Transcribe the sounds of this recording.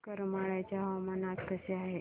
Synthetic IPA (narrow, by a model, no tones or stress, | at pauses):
kəɾmaɭajt͡ɕjaɦəʋamanat̪kəseaɦe